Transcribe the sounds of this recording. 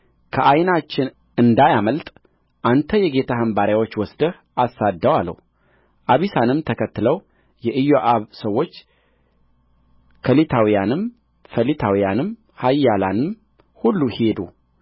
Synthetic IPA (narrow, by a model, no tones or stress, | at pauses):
kʰəʔajnat͡ʃːɪn | ʔɨnd̪ajaməlt̪ʼ | ʔant̪ʰəjɛɡe̞t̪ʰahəmbaɾjawot͡ʃːwɔsd̪əh | ʔasːad̪ːəwalːə̰w | ʔaβisanɨmt̪ʰəkʰət̪ːɨləw | jɛʔɨjːoʔaβsəwːo̞t͡ʃː | kʰəlit̪ʰawijanɨm | fəlit̪ʰawijanɨm | hajːalanɨm | hulːuhed̪ṵ